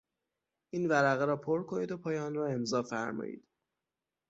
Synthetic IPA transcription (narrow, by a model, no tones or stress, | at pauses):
ʔiːnvæɾæɣeɾɒːpʰoɾkʰo̞niːd̪o̞pʰɒːjːnrɒːe̞mzɒːfæɾmɒ̰ːjḭːd̪̥